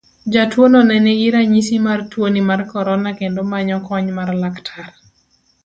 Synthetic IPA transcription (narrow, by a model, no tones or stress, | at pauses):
d͡ʒatwonɔnɛnɛɡiɾaɲisimartwonimarkɔɾɔnakendomaɲɔkɔɲmarlaktʰar